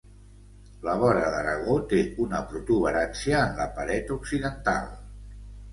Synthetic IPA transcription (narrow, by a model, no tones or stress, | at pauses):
ləβɔɾəðəɾəɣ̞ot̪eunəpɾut̪uβ̞əɾansiəːnləpəɾɛt̪uksiðənt̪a̰lˠ